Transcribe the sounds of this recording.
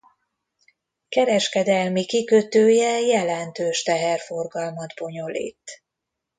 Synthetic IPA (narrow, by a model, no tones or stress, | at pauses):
kɛɾɛʃkɛd̪ɛlmikikøt̪øːjɛjɛlɛnt̪øːʃt̪ɛɦɛrfo̞rɡɒlmɒd̪bo̞ɲo̞lḭːt̪